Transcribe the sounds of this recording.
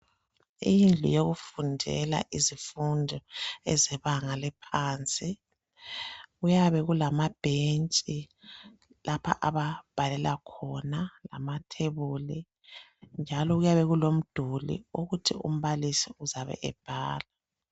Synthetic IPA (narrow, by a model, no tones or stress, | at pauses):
ijind͡ɮʱṵjoɣufundʱɛ̰la̰ʔizifundʱɔɛzɛβaŋalɛpʰaːnt͡sʼi | ɣujaβɛɣulamab̥ʱent͡ʃʼi | lʔapʰa̰ʔaβab̥ʱalɛlakʰɔnala̰matʰeβuli | nd͡ʒʱalɔɣujaβɛɣulom̩d̥ʱulḭuɣutʰiṵm̩βalisiuzaβɛ̰ʔɛ̰b̥ʱaːla